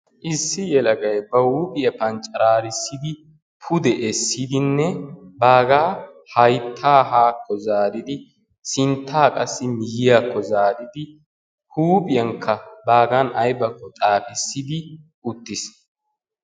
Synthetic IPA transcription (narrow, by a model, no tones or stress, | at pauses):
ʔɪsːɪjɛlɐɡɐjbɐhuːpʼɪjɐpɐnt͡ʃʼɐɾaːɾɪsːɪd̪ɪ | pʰʊd̪ɛʔɛsːid̪ɪnːɛbaːɡaː | hɐjt̪ʰːaːhaːkʰːɔzaːd̪ɪd̪ɪ | sɪnt̪ʰːaːkʼɐsːɪmɪjɪjaːkʰːɔzaːd̪ɪd̪ɪ | huːpʼɪjɐŋkʰːɐbaːɡɐnɐjbɐkːɔt̪ʼaːfɪsːɪd̪ɪ | ʊt̪ːɪs